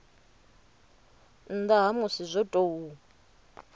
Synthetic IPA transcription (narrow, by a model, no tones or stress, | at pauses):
n̩d̪aɦamusizʷɔtʼou